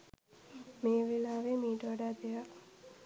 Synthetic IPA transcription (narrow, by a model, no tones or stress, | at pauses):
meːʋilaːʋeːmiːʈoʋɽaːd̪eja